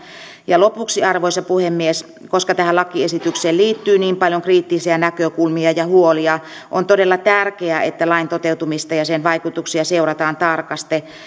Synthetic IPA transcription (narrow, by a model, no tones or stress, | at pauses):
jɑlopuksiɑrʋoisɑpuhemːies | koskɑt̪æhælɑkːˑiesit̪ykseːlliːt̪ːyːniːmpɑljoŋkriːt̪ːisiænækøkulmiɑjɑhuoliɑ | ʔont̪odelːɑt̪ærkeæet̪ːælɑint̪ot̪eut̪umist̪ɑjɑsenʋɑikut̪uksiɑseurɑt̪ɑːnt̪ɑrkɑst̪e